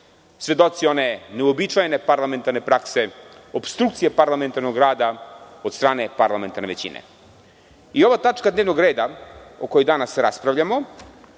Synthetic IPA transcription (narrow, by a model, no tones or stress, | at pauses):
sʋed̪o̞t̪sio̞neneuobit͡ʂajene̞paɾlˠame̞nt̪aɾne̞pɾakse̞opst̪ɾukt̪sije̞paɾlˠament̪aɾnoɡɾaːd̪ao̞d̪st̪ɾaːne̞paɾlˠame̞nt̪aɾneʋet͡ɕḭnḛ | io̞ʋat̪at͡ʂkad̪neːʋno̞ɡɾe̞ːd̪aokojod̪anasːeɾaspɾaʋʎamo